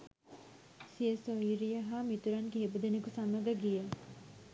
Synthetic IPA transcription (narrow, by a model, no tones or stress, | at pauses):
siesoiɾijɐɦamit̪uɾankeebud̪enekusamɐɡɐɡijɐ